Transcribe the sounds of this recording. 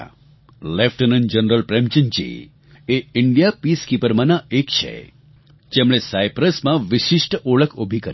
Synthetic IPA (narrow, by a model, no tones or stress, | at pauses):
lefʈənənd͡ʒənɾəlpɾemt͡ʃəɲt͡ʃḭ | eɪɳɖijapiskipəɾmãnaekt͡ʃʰḛ | d͡ʒemɽ̃esaipɾəsmãʋɪʃɪʃʈoɭəkʰobʱikəɾ